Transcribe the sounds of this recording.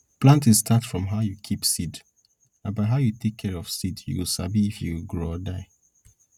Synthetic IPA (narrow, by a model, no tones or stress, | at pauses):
plãntĩstʰatfɹɔ̃mɦaʊjukʰipsid | ãnbaɪɦaʊjutʰekʰːɛɹɔfsidjṵwilsabiifjuwilɡɹoɔdaɪ